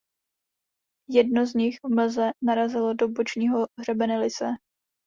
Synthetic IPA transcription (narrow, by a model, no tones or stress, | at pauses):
jɛdno̞zɲɪxvml̩zɛnaɾazɪlo̞dobot͡ʃɲiːɦo̞ɦrɛbɛnɛlɪsɛ